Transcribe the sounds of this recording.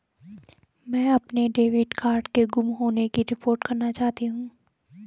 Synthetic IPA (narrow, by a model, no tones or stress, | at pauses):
mɛ̃ːɐpneɖeːʋɪɖkaːɾɖkeɡʊmɦoːnekiɾɪpoːɾʈkɐɾnat͡ʃaːɦt̪iɦũː